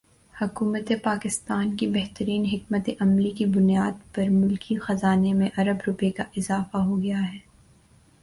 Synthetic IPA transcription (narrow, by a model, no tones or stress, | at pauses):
hʊkuːmət̪epaːkɪst̪aːnkibɛɦt̪əɾiːnɦɪk̚mət̪eʔɐmlikibʊnijaːd̪pɐɾmʊlkʰixɐzaːnemẽʔɐɾəbɾʊpekaʔɪzaːfaɦoɡɐjaɦɛː